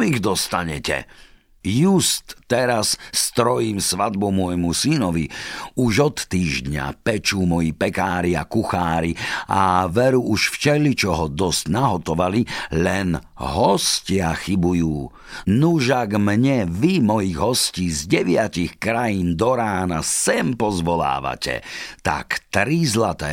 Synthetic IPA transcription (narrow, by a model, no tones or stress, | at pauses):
miɣd̪ɔst̪aɲɛ̰cɛ̰ | just̪ːɛɾasːt̪ɾɔjiːmsʋad̪̚bɔmʊɔjmusinɔʋiuʒɔt̪ːiːʒd̪ɲa̰pɛt͡ʃuːmɔjipɛkaːɾia̰kuxaːɾiaʋɛɾuʔuʃft͡ʃɛlit͡ʃɔɦɔd̪ɔscnaɦɔt̪ɔʋalilɛn | ɦɔscɪaxibujuː | nuʒaɡmɲɛʋimɔjiɣɦɔsciːzɟɛʋɪacixkɾajiːnd̪ɔɾaːnasɛmpɔzʋɔla̰ːʋa̰cɛ̰t̪a̰kt̪ɾizlat̪ɛ̰ː